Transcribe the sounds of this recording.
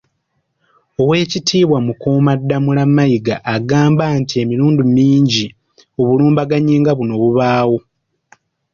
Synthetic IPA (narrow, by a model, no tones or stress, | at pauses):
o̞we̞ːcitʰiːβwamukoːmadːamulamːajiɡaʔːɡaːmbantie̞miɾuːndumiːɲɟi | o̞βuluːmbaɡaɲiːŋɡaβuno̞ːβuβaːwo̞